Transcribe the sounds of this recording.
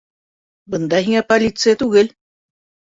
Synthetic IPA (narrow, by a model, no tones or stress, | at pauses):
bənd̪aɦiŋapalit͡set̪uɣel